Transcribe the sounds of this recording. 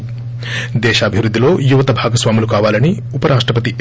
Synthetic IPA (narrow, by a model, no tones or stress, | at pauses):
d̪ɛːʃɐːbʱiʋɾud̪ːilo̞ːjuʋɐt̪ɐbʱaːɡɐsʋaːmulukaːʋaːlɐni | upɐɾʔaːʂʈɾɐpɐt̪i